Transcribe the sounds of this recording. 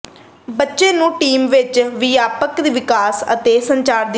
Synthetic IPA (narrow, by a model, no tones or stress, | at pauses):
bətːʃeːnũːʈiːmʋɪt͡ʃʋɪjaːpəkd̪iːʋɪkaːsə̰t̪eːsəɲt͡ʃaːɾd̪i